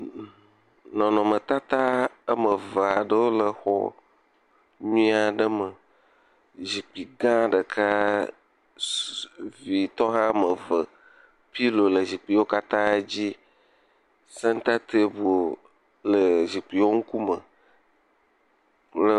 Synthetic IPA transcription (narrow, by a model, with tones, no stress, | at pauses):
nɔ̃˨nɔ̃˨mə̃˨t̪a˦t̪a˦ə˦mə˨və˨a˨ɖə˦wo˦lə˨xɔ̰˦˨ | ɲuĩ˦a˨ɖə˦mə˨ | zi˨k͡pi˨ɡã˦˨ɖə˨kʰa˦ | vi˨t̪ɔ˦ɦã˦mə˨və˨ | pi˦lo˨lə˨zi˨k͡pi˨wo˦ka˦t̪ã˦d͡ʑi˦ | sə˦ŋ˦t̪a˦t̪ʰe˦bo˨ | lə˨zi˨k͡pi˨wo˦ŋ̩˦ku˦mə̰˨ | lə˨